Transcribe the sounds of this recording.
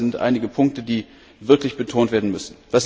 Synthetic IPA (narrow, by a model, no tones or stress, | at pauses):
ɪntʔa̰ɪnɪɡəpʰʊŋk̚tədiː | vɪɐklɪçb̥ətʰoːntv̥eːɐdn̩mʏsn̩d̥as